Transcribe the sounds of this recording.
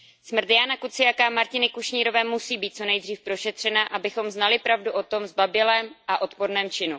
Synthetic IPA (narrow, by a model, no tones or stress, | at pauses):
smr̩t̪janakut͡sɪjakamaɾcɪnɪkuʃɲiːɾo̞vɛːmusiːbiːt̪̚t͡so̞nɛjd̪r̝iːfpɾo̞ʃɛt̪r̝̥ɛnaʔabɪxo̞mznalɪpɾavduʔo̞t̪o̞mzbabɪlɛːmʔaʔo̞t̪po̞ɾnɛːmt͡ʃɪnu